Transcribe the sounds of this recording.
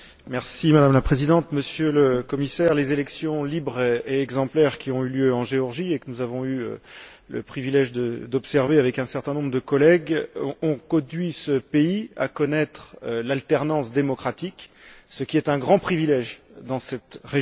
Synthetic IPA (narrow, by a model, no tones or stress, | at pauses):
mɛʁsimad̪amlapχezid̪ɑ̃t̪məsjøləkɔmisɛʁlezelɛksjɔ̃libʁeɛɡzɑ̃plɛʁkʲiɔ̃yljøɑ̃ʒeɔʁʒiekənuzavɔ̃yø̰lə̰pχivilɛʒd̪əd̪ɔpsɛʁveavɛkɛ̃sɛʁt̪ɛ̃nɔ̃bʁəd̪əkɔlɛɡɔ̃kɔ̃d̪ɥisəpeia̰kɔnɛt̪χølalt̪ɛʁnɑ̃sd̪emɔkχat̪iksəkʲiɛt̪ɛ̃ɡʁɑ̃pχivilɛʒd̪ɑ̃sɛt̪ʁe